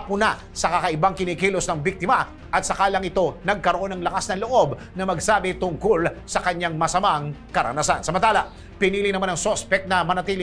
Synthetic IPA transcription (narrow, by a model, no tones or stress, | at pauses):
pʊna | sɐkɐkɐʔɪbaŋkɪnikiːlosnɐŋbik̚t̪ɪmɐ | ʔɐt̪̚sɐkaːlɐŋɪt̪o̞nɐɡ̚kɐɾoʔo̞nɐŋlɐkasnɐŋloʔo̞b | nɐmɐɡsaːbɪt̪ʊŋkolsɐkɐɲːaŋmɐsɐmaŋkɐɾɐ̰nasansɐmɐnt̪aːlɐ | pɪniːlɪnɐmanɐŋsospɛk̚t̪nɐmɐnɐt̪iːlɪ